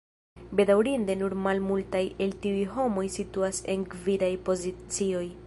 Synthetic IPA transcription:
be̞dawɾinde̞nuɾmalmultaje̞ltiujɦo̞mo̞jsituase̞nkvidajpo̞zit͡sio̞j

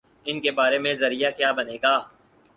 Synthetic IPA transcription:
ɪnkebaːɾemẽzɐɾijakjaːbɐneːɡaː

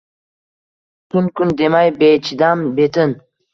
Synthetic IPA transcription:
t̪ʰunkʰʊnd̪emajbet͡ʃʰid̪ambet̪ʰɨn

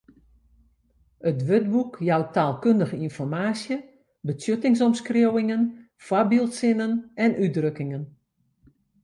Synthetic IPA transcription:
ətʋøtbukjawtaːlˠkøndəɣəinfɔrmaːsjə | bət͡sjøtɪŋs̬ɔmskrowɪŋən | fwabilˠtsɪnənɛnʔyt̚drøkɪŋən

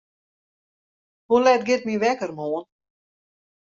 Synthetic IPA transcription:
hulɛtɡɪt̚miʋɛkərmoːən

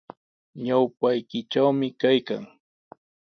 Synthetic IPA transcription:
ɲawpajkɪʈ͡ʂawmɪkajka̰ŋ

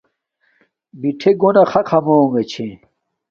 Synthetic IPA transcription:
biʈʰeɡonɐxɐkʰɐmoːŋɡet͡ɕʰẽ

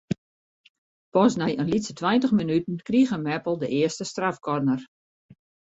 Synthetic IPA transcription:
pɔsnɛjənlitsətʰwɛjntəxminytən̩kriɣəmɛpl̩ˠdəʔɪəstəstrafkɔrnər

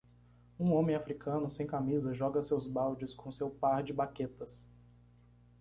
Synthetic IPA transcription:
ũõmẽj̃afɾikʰɐ̃nʊsẽj̃kamizɐʒɔɡɐsewzbawd͡ʒɪskõsewpaɾd͡ʒɪbaket̪ɐs

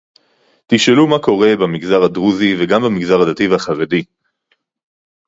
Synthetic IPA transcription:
t̪iʃelumako̞ʁe̞bamiɡzaʁadʁuziveɡambamiɡzaʁadat̪ivhaχaʁedi

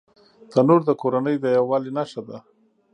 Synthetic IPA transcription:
d̪̥anoɾd̪əkoɾanəjd̪əjawɑlinaʃad̪a

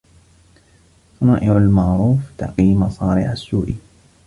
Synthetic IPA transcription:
fɑnɑːʔɪʕalmɑʕɾuːft̪a̰qiːmɑsˤɑːɾɪʕasːuːʔiː

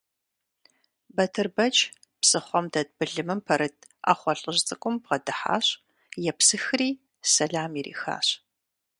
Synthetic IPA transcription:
bɐtʰɨrbɐt͡ʃ | psɨχʷɔmdɐd̚bɨɮɨmɨmpʰɐɾɨt̚ʰa̰ːχʷɔɬʼəʑt͡sʼɨkʷʼʊmbʁɐdɨħa̰ːɕ | jɛpsɨxriː | sɐɮaːmirḭːxa̰ːɕ

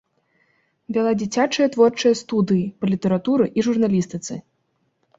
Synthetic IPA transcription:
vʲalˠad͡zʲit͡sʲat͡ʂɨjɐt̪vɔrt͡ʂɐjɐst̪ud̪ɨjipɐlʲit̪ɐɾat̪uɾɨʔiʐurnalʲist̪ɨt̪sɨ̰

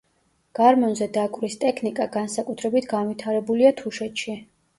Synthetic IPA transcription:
ɡ̥aɾmɔnzɛd̪akʼɾist̪ʼɛkʰnikʼaɡansakʼut̪ʰɾɛbit̪ʰɡanvit̪ʰaɾɛbuliat̪ʰuʃɛt̪ʃi

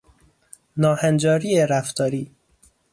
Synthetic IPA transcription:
nɒːhænd͡ʒɒːɾiːeɾæft̪ʰɒːɾiː

